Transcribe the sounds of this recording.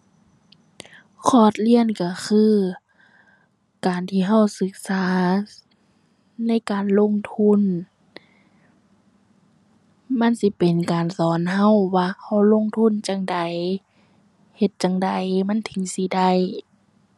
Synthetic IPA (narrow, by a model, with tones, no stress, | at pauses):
kʰɔː˧˩t̪̚li˧˨ənka˧˩xʰɯː˧˥˨ | kaː˨nt̪ʰiː˧ɦa˧˨wsɯ˧k̚saː˨˦ | na˧˥˨jkaː˨nlo˧˥˨ŋt̪ʰu˧˥˨n | ma˧˥˨nsi˧˦pe˨nkaː˨nsɔː˨˦nɦa˧˨wwaː˧˩ha˧˩wlo˧˥˨ŋt̪ʰu˧˥˨nt͡ɕa˧ŋda˨j | he˧t̪̚t͡ɕa˧˨ŋda˨jma˧˥˨nt̪ʰɯ˨˦ŋsi˧˦da˧˩j